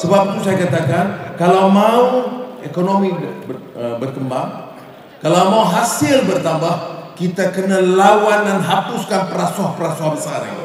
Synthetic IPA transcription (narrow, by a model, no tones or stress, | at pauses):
səbap̚t̪usajakat̪akankalawmauekonomi | əbərk̪əmbaŋ | kalawmauɦasɪlbərt̪ambahkit̪akənalawandanɦapʊskanpəɾasɔhpəɾasɔɦabəsanḭ